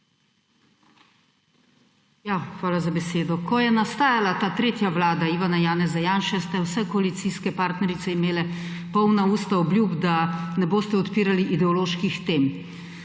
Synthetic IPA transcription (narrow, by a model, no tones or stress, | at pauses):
jaːxʋaːlazabɛseːd̪ɔkɔjɛnast̪aːjalat̪aːt̪ɾeːt̪jaʋlaːd̪aiʋanajaːnɛzajaːnʃɛst̪ɛwsɛkɔalit̪siskɛpaːɾt̪nɛɾit̪sɛimeːlɛ | pɔwnauːst̪aɔbljuːbd̪anɛboːst̪ɛɔt̪piːɾaliʔid̪ɛɔloːʃkixt̪eːm